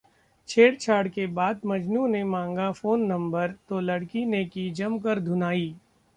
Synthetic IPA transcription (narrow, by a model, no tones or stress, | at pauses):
t͡ʃʰeːɽt͡ʃʰaːɽkebaːd̪̚mɐd͡ʒnũːnemãːŋɡafoːnːɐ̃mbəɾt̪olɐɽkinekid͡ʒɐmkəɾd̪ʱʊnaːiː